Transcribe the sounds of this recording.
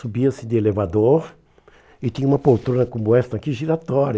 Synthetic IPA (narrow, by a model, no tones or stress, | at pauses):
subiɐsɪd̪ɪelevad̪oɾ | ɪt̪ĩɲɐũmɐpowt̪ɾõnɐkõmoɛst̪ɐkiʒiɾat̪ɔɾ